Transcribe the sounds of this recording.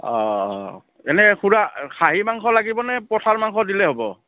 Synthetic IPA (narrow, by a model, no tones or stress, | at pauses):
ɔ̰ | ɛnɛxʰuɹakʰaɦimaŋkʰɔlaɡibɔnɛpɔtʰaɹmaŋkʰɔdilɛɦobɔ